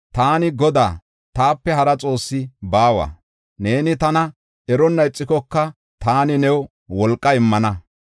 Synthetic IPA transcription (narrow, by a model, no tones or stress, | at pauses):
t̪aːnɪɡɔd̪a̰ː | t̪aːpːɛɦɐɾɐt͡sʼo̞ːsːɪbaːwa̰ | ne̞ːnɪt̪ɐnɐ | ɛɾɔnːɐɪt͡sʼːɪkɔkːɐ | t̪aːnɪnɛw | wɔlkʼːɐɪmːɐnɐ